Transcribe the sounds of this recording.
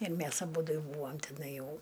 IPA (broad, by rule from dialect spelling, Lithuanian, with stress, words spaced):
ɪr ˈmʲæs ɐˈbuːdʊ jɛʊ ˈbuːɐm tʲɪˈnɐɪ ˈjɛʊ